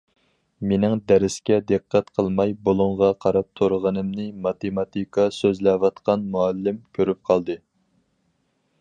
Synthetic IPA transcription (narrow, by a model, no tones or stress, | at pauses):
menɪŋd̪ɛɾɪskʲɛd̪ɨqːæt̪qʰəlˠmɑjbolˠuɴʁɑqʰɑɾɑp̚t̪ʰoɾʁənɨmnɨmɑt̪ʰemɑt̪ʰikʰɑsøzlɛwɑt̪qɑnmuɑlːɪmkʲʰøɾyp̚qʰɑlˠd̪ɨ